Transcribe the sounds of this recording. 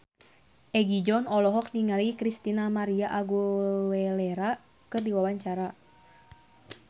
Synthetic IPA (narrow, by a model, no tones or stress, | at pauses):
ʔɛɡid͡ʒɔnɔlɔɦɔk̚niŋalikɾist̪inamaɾiaʔaɡowɛlɛɾa | kɨrdiwawaɲt͡ʃaɾa